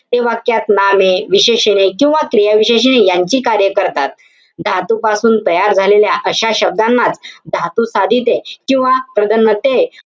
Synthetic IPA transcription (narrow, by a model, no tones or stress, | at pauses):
t̪eʋakjat̪nameʋiɕeɕenekĩw̃ʋakɾijaʋiɕeɕ̬enejaɲt͡ɕiːkaɾjəkəɾt̪at̪̚ | d̪ʱat̪upasuːnt̪əjaɾd͡zʱaleljaʔəɕaɕəb̚d̪amːad͡zd̪ʱat̪usad̪ʱit̪ekĩw̃ʋapɾəd̪ənːət̪e